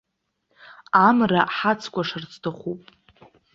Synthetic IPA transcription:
amraħat͡sʰkʷaʂart͡sʰtʰaχʷupʼ

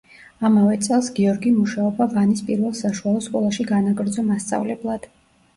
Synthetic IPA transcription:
amavɛt̪sʼɛlˠsɡiɔɾɡimuʃaɔbavanispʼiɾvɛlˠsaʃualˠɔskʼɔlˠaʃiɡanaɡɾd̪zɔmast̪sʼa̰vlɛblˠad̪̥

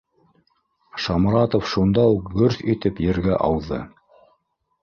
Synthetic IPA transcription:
ʃɑmɾɑt̪ofʃund̪ɑuqɡɵɾθit̪ɘpjɘ̆ɾɡæʔɑwðɤ̰

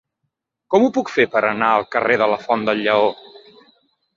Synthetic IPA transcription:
kɔmupukfepəɾənaəlˠkəreðələfɔnd̪əlʎːəo

